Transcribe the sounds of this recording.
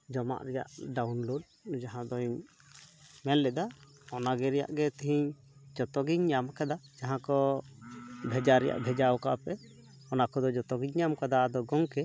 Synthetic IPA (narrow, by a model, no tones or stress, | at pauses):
d͡ʒɔma̰ʔɾɛja̰ʔɖawnloɖ̚d͡ʒaɦãd̪ɔiɲ | mɛlːɛd̪a | ɔnaɡɛɾɛja̰ʔɡɛt̪iɦiɲ | d͡ʒɔt̪ɔɡiɲɲamkad̪ad͡ʒaɦãkɔ | bʱɛd͡ʒaɾɛja̰ʔbʱɛd͡ʒawka̰pɛ | ɔnakɔd̪ɔd͡ʒɔt̪ɔɡiɲɲamkad̪ad̪ɔɡɔŋkɛ